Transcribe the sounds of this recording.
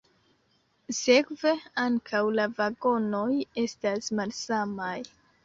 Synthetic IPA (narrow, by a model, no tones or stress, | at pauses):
sekve̞aŋkʰawlavaɡo̞no̞je̞stasmalsamaj